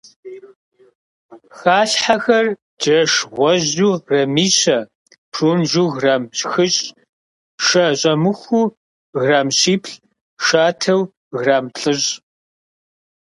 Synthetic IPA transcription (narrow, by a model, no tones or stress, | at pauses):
xaːɬħaxɐr | d͡ʒɐʂʁʷɔʑuːrɐmiːɕɐ | pʰruːmʒuːɣraːmt͡ʃʼxɨɕʼ | ʃɐɕʼɐmɨxʷuː | ɣraːmɕiːpʰɬ | ʃaːtʰɐw | ɣraːmɬʼɨɕ